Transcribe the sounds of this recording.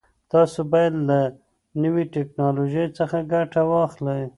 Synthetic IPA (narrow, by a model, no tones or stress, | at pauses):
t̪ɑsobɑjad̪la | nəwiʈeknɑloʒejt͡səxaɡaʈawɑxlaj